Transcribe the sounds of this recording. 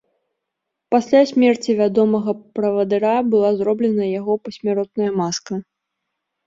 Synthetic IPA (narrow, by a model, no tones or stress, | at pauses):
pasʲlʲasʲmʲɛrt͡sʲivʲad̪ɔmɐɣɐpɾɐvɐd̪ɨɾabɨlˠazɾɔblʲɛnɐjaɣɔpɐsʲmʲaɾɔt̪̚nɐjɐmaskɐ